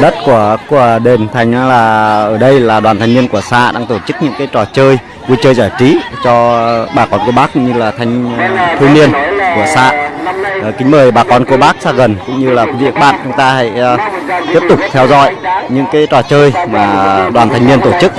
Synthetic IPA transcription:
ɗə˦˥t̚ku˧˩əku˧˩əɗe˨˩nt̪ʰa˨˩jŋ̟ʔaː˨˧˦laː˨˩ʔəː˧˩ɗə˧jlaː˨˩ɗwaː˨˩nt̪ʰa˨˩ŋ̟mi˧ənku˧˩əsaː˧ɗaː˧ŋt̪o˧˩t͡ɕɨ˦˥k̚ɲɨ̰˧˥ŋkaː˨˦jt͡ɕɔ˨˩t͡ɕəː˧j | vu˧jt͡ɕəː˧jzaː˧˩jt͡ɕi˨˦t͡ɕɔ˧ɓaː˨˩kɔ˨˦nku˧˩əɓaː˦˥k̚ːʊ̰˧˥ŋ͡mɲɨ˧laː˨˩t̪ʰa˨˧jŋ̟t̪ʰɨ˧ŋmi˧ənku˧˩əsaː˧˨˩ | kï˨˦ŋ̟məː˨˩jɓaː˨˩kɔ˨˩nku˧˩əɓaː˦˥k̚saː˧ɣə˨˩nkʊ̰˧˥ŋ͡mɲɨ˧laː˨˩kvḭ˧˥əŋ̚ɓa̰ː˧˨nt͡ɕʊ˨˦ŋ͡mt̪aː˧ha̰˧˨jt̪i˦˥p̚t̪ʊ˨˩k͡p̚t̪ʰɛ˧wzɔ̰˧˨jɲɨ̰˧˥ŋkaː˨˦jt͡ɕɔ˨˩t͡ɕəː˧jmaː˨˩ɗwaː˨˩nt̪ʰa˨˩ŋ̟mi˧ənt̪o˧˩t͡ɕɨ˦˥k̚

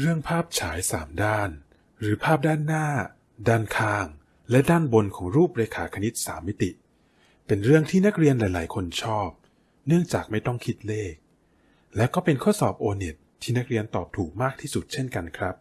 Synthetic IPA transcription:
ɾɯ˥˩əŋpʰaː˥˩p̚t͡ɕʰaː˩˦jsaː˩˦mdaː˥˩n | ɾɯː˩˦pʰaː˥˩p̚daː˥˩nːaː˥˩ | daː˥˩nkʰaː˧ŋ | lɛ˦˥daː˥˩nbo˧nkʰɔː˩˦ŋɾuː˥˩p̚ɾeː˧kʰaː˩˦kʰa˧ni˦˥t̪̚sa̰ː˩˦mːi˦˥t̪i˨˩ | pe˧nɾɯ˥˩əŋt̪ʰiː˥˩na˦˥k̚ɾi˧ənlaː˨˦jlaː˩˦jkʰo˧nt͡ɕʰɔː˥˩p̚ | nɯ˥˩əŋt͡ɕaː˨˩k̚ma˥˩jt̪ɔ˥˩ŋkʰi˦˥t̪̚leː˥˩k̚ | lɛː˦˥wkɔː˥˩pe˧nkʰo˦˥t̪̚sɔː˨˩p̚ʔoː˧ne˨˩t̪ʰːiː˥˩na˦˥k̚ɾi˧ənt̪ɔː˨˩p̚t̪ʰuː˨˩k̚maː˥˩k̚t̪ʰiː˥˩su˨˩t̪̚t͡ɕʰe˥˩nka˧nkʰɾa˦˥p̚

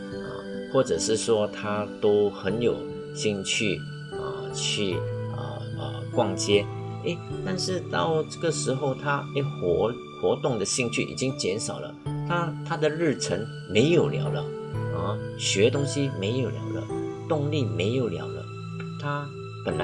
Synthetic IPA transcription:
ə̰˨˩ | xwɔ˥˩ʈ͡ʂɤ˨˩ʂɻ̩˥˩ʂwɔ˥t̪ʰa˥t̪o˥ʊxə˧˦˥njo˨˩ʊ | ɕi˥˧ŋt͡ɕʰy˥˩ | ə̰˩ | t͡ɕʰy˥˩ə̰˨˩ | ə̰˨˩kwɑ˥˩ŋt͡ɕjɛ˥ | e˥˩ɪt̪a˥˧nʂɻ̩˥˧t̪ɑ̰˥˧ʊʈ͡ʂɤ˥˩ɡə˩ʂɻ̩˧˥xo˥˧ʊt̪ʰa˥e˥˩xwɔ˧˥ | xwɔ˧˥t̪ʊ˥˩ŋd̪ə˨ɕi˥˧ŋt͡ɕʰy̰˥˩ʔḭ˨˩t͡ɕi˦˥ŋt͡ɕjɛ˧˥nʂɑ˨˩ʊlə̰˦t̪ʰa˥t̪ʰa˥d̪ə˨ɻɻ̩˥˩ʈ͡ʂʰə˧˥ŋ | me˧˥ɪjo˨˩ʊljɑ̰˧˥ʊlə̰˧ | ə̰˨˩ɕɥɛ˧˥t̪ʊ˥ŋɕi˥me˧˥ɪjo˨˩ʊljɑ̰˧˥ʊlə̰˧t̪ʊ˥˧ŋli˥˩me˧˥ɪjo˨˩ʊljɑ̰˧˥ʊlə̰˧ | t̪ʰa˥ | pə˨˩nla˧

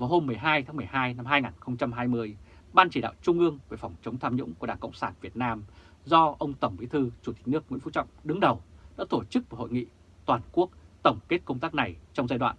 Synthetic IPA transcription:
vaː˨˩who˧mːɨ˨˩əjɦaː˧jt̪ʰaː˨˦ŋmɨ˨˩əjɦaː˧jna˧mɦaː˧jŋaː˨˩nxə˧wŋ͡mt͡ɕa˧mɦaː˧jmɨ˧əjɓaː˧nt͡ɕi˧˩ɗa̰ː˧˨wt͡ɕʊ˧ŋ͡mʔɨ˧əŋve˧˩fɔ˨˩wŋ͡mt͡ɕə˨˦wŋ͡mt̪ʰaː˧mɲʊ̰˧˥ŋ͡mku˧˩əɗaː˧˩ŋkə̰˧˨wŋ͡msaː˧˩nvi˨˩ət̚naː˧m | zɔ˧ʔə˧wŋ͡mt̪ə˧˩ŋ͡mɓḭ˨˧˦t̪ʰɨ˧t͡ɕu˧˩t̪i̟˨˩nɨ˦˥ək̚wḭ˧˥fu˧˥t͡ɕɔ̰˧˨wŋ͡mɗɨ˨˦ŋɗə˨˩wnɔ̰ː˧˥t̪o˧˩t͡ɕɨ˦˥k̚vho̰˧˨jŋḭ˧˨ | t̪waː˨˩nku˦˥ək̚t̪ə˧˩wŋ͡mke˦˥t̚kə˧wŋ͡mt̪aː˦˥k̚na˨˩jt͡ɕɔ˧wŋ͡mzaː˧jɗwa̰ː˧˨

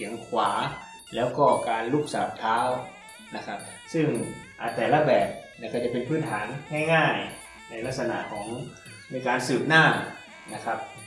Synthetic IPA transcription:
sʰi˨˩˦əŋkʰwaː˩˦ | lɛː˦˥wkɔː˧˩kaː˨˧nlu˧˥˩k̚saː˨˦p̚t̪ʰaː˦˥˨w | na˧˥kʰa˦˥p̚ | sɯ˧˥˩ŋʔa˨˧˩t̪ɛː˨˩la˧bɛː˨˩p̚na˧˩kɔ˧˩t͡ɕa˧˩pe˨˧npʰɯː˥˨nt̪ʰaː˨˩˦nhɛ˧˥˩jŋaː˧˩j | na˧˩jla˧˥k̚sa˧na̰˧˩kʰɔː˨˩˦ŋ | miː˧˩˨kaː˧nsɯː˨˩p̚naː˥˩ | na˧kʰa˦˥p̚

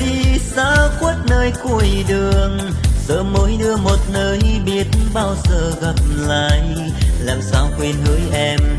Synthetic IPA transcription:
ti˧˩saː˧˦kwə˦˥t̚nəː˧jku˧˩jɗɨ˨˩əŋ | səː˨˦mːəː˨˦jɗɨ˧əmo˨˩t̚nəː˧jɓi˨˩ət̚nɓaː˧wzəː˧˩ɣa˨˩p̚l̰aː˧˨j | laː˨˩msaː˧wkwe˧nhəː˨˦jʔɛ˧m

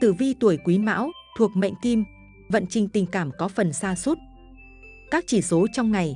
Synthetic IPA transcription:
t̪ɨ̰˧˨vi˧t̪u˧˩əjkwi˨˦ma̰ː˧˥wt̪ʰu˨˩ək̚ma̰˧˨jŋ̟t̪i˧m | və̰˧˨nt͡ɕï˨˩ŋ̟t̪ï˨˩ŋ̟kaː˧˩mkɔ˨˦fə˨˩nsaː˧su˦˥t̚ | kaː˦˥k̚t͡ɕi˧˩so˨˦t͡ɕɔ˧wŋ͡mŋa˨˩j

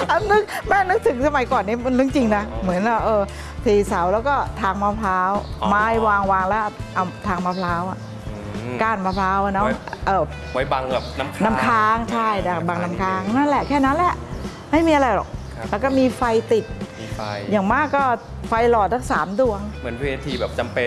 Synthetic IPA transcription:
ʔa˧˩nɯ˦˥k̚mɛː˥˩nɯ˦˥k̚t̪ʰɯ˩˦ŋsa˧ma˨˦jkɔː˨˩nːi˦˥˩m˧nlɯ˦˥˩ŋt͡ɕi˧ŋna˦˥mɯ˩˦ənlaː˦˧˩ʔɤː˧ | t̪ʰiː˧˩sa˩˦wlɛː˦˥wkɔː˥˩t̪ʰaː˧ŋmaː˧˩pʰlaː˦˥wmaː˦˥˩jwaː˧ŋwaː˧ŋlɛː˦˥ʔa˧˩wt̪ʰaː˧ŋmaː˧pʰlaː˦˥wʔa̰˨˩ʔ | kaː˧˩nmaː˧pʰlaː˦˥wʔa˧˩nɔ˦˥ʔɤː˧˩ | wa˧jba˧ŋbɛ˨˩p̚na˦˥kʰna˦˥˦kʰaː˦˥ŋt͡ɕʰa˥˩jna˧˩ba˧ŋna˦˥mkʰaː˦˥ŋna˥˩nlɛ˨˩ʔkʰɛː˥˩na˦˥nlɛ˨˩ʔ | ma˥˩jmiː˧ʔa˧ɾa˧jlɔ̰˨˩k̚ | lɛː˧˦˥kɔː˥˩miː˧fa˧jt̪i˨˩t̪̚ | jaː˨˩ŋmaː˥˩kːɔː˥˩ | fa˧jlɔː˨˩t̪̚sʰaː˦˥˩ŋsaː˩˦mdu˧əŋmɯ˩˦ə˦nweː˧t̪ʰiː˧bɛː˨˩p̚t͡ɕa˧mpe˧

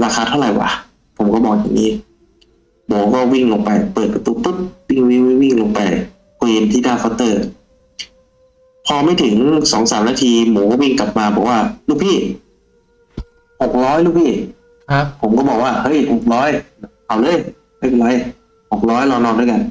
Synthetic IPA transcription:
ɾaː˧kʰaː˧t̪ʰa˥˩wɾa˨˩jwa̰ː˨˦ | pʰo˩˦mkɔː˥˩bɔː˨˩k̚ja̰ː˨˩ŋniː˦˥ | moː˨˦kɔː˥˩wi˥˩ŋloː˧ŋpa˧jpɤː˨˩t̪̚pa˧t̪uː˧t̪u˧˥˩t̪̚wi˥˩ŋwi˧˥˩wi˧˥wi˥˩ŋlo˧ŋpa˧j | kʰːi˧nt̪ʰiː˥˩daː˥˩kʰa˧˩t̪ɤː˧˩ | pʰɔː˧ma˧˥˩jt̪ʰɯ˩˦ŋsɔː˩˦ŋsaː˩˦mnaː˧˩t̪ʰiː˧moː˩˦kɔː˥˩wi˥˩ŋka˨˩p̚maː˧bɔː˨˩k̚waː˥˩luː˥˩kpʰiː˥˩ | ho˨˩k̚ɾɔː˦˥jluː˥˩kpʰiː˥˩ | pʰo˩˦mkɔː˥˩bɔː˨˩k̚waː˥˩hɤ˦˥˩jho˨˩k̚lɔː˦˥jka˨˩wlɤː˧˥˨j | a˥˩jʰo˨˩lɔː˦˥j | ho˨˩k̚ɾɔː˦˥jlɔː˧nɔː˧nduː˥˩˨jka˧n

